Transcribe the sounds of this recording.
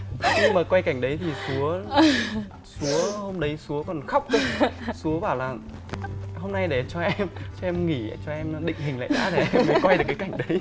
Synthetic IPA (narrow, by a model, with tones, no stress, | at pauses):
xi˧ŋmaː˨˩kwa˧jka˧˩jŋ̟ɗə˨˦jt̪ʰi˨˩su˨˦ə | su˨˦əho˧mɗə˨˦jsu˨˦əkɔ˨˩nxa˦˥wk͡p̚ksu˨˦əɓaː˧˩wlaː˨˩ | ho˧mna˧jɗe˧˩t͡ɕɔ˧ʔɛ˧mt͡ɕɔ˧ʔɛ˧mŋi˧˩˧t͡ɕɔ˧ʔɛ˧mɗḭ̈˧˨ŋ̟hï˨˩ŋ̟la̰ː˧˨ɗa̰ː˧˥ɗe˧˩ʔɛ˧mə˨˦kwa˧jɗɨ˨˩kːa˨˦ka˧˩jŋ̟ɗə˨˦j